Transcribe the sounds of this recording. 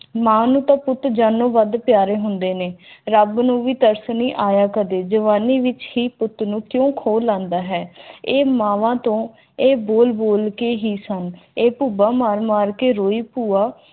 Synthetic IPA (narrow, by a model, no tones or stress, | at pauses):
mãːnũːt̪ãːpʊt̪d͡ʒaːnːõːʋəd̪pɪjaːɾeːɦʊnd̪eːneːɾəbnũːʋiːt̪əɾsniːʔaːjaːkəd̪eːd͡ʒəʋaːniːʋɪt͡ʃhiːpʊt̪nũːkjõːkʰoːlːãːnd̪aːɦɛːeːmãːʋãːt̪õː | eːboːlboːlkeːɦiːsəneːpuːbaːmaːɾmaːɾkeːɾoːiːpuːaː